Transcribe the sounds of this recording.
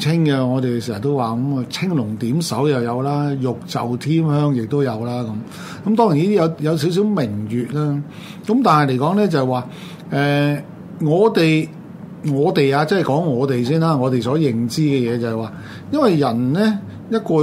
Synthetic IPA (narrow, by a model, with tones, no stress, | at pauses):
t͡sʰɪ˥ŋɡɛ˧ŋɔː˨˧t̪e˨js̬iː˨˩sɐ˨˩t̪o˥waː˨kɐ˨˥ma˨˧t͡sʰɪ˥ŋlʊ˨˩ŋt̪iː˨˥msɐ˨˥wjɐ˨wjɐ˨˧wlaː˥jʊ˨k̚t͡sɐ̰˨wt̪ʰiː˥mhœː˥ŋjɪ˨k̚t̪o˥wjɐ˨˧wlaː˥kɐ˨˦m | kɐ˨˦mt̪ɔː˥ŋji˨˩niː˥t̪i˥jɐ˨˧wjɐ˨˧ws̬i˨˥ws̬i˨˥wmɪ˨˩ŋjyː˨t̚lɛː˥ | kɐ˨˥mt̪aː˨nɦɐ˨jle˨˩jkɔː˨˥ŋlɛː˥t͡sɐ˨ɛ˨jwaː˨˧ | ʔɛː˨ | ŋɔː˨˧t̪e˨j | ŋɔː˨˧t̪e˨jaː˧t͡sɐ˥˨jkɔː˨˥ŋːɔː˨˧t̪e˨˩js̬iː˥nlaː˥ŋɔː˨˧t̪e˨jsɔː˨˥jɪ˨ŋt͡siː˥kɛː˧jɛː˨˧t͡sɐ˨ɦɛ˨jwaː˨ | jɐ˥nwɐ˨jjɐ˨˩nlɛ˥ | jɐ˥t̚kɔː˧